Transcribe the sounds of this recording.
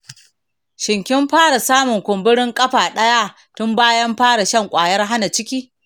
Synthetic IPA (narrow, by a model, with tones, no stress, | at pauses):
ʃɪ˨ŋkʲɪ˦mɸaː˦ɽa˨saː˦mʊ˨ŋkʷʊ˨mbɪ˦ɽɪ˦ŋkʼɐ˦ɸaː˨ɗɐ˦ja˦ | tʊ˦mbaː˦jɐ˦mɸaː˦ɽa˨ʃɐ˦ŋkʷʼaː˨jɐ˦rɦa˦na˨t͡ʃɪ˦kʲiː˦